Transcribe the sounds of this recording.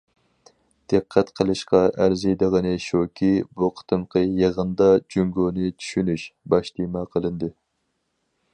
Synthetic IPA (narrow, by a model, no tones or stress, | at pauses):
d̪̥ɨqʰːæt̪qʰəlˠɨʃqɑʔæɾzɨjd̪əʁənɨʃokʲʰibuqʰə̥t̪ʰɨmqʰəjeʁənd̪ɑd͡ʒyŋɡoːnɨt͡ʃʰy̥ʃynyʃbɑʃt̪imɑqʰəlˠɨnd̪ɨ